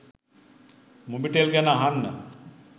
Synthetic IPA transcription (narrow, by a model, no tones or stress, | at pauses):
mubiʈelɡɛnaɦanːə